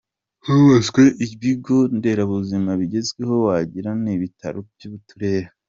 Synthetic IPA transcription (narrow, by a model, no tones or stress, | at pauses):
huezɡweʔiβiɡo̞nde̞ɾaβuzimaβiɟe̞zɡwe̞ɦo̞waɟiɾaniβitʰa̰ɾobjuβutuɾe̞ɾa